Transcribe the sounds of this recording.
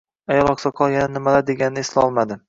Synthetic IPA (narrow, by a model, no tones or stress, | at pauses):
ajɒɾˠɒqsɒqʰɒlˠɡʲanɪnɪmalaɾd̪e̞ɡʲanɪnɪeslɒlˠmad̪ɪ